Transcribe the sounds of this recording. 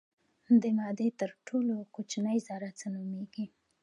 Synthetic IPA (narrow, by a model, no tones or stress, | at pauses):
d̪əmɑd̪et̪əɾʈʰolokot͡ʃnəjzɑɾat͡sənumeɡi